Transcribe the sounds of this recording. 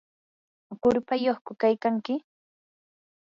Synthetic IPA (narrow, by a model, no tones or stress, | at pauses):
kʊɾpajoχkʊkajkaŋkɪ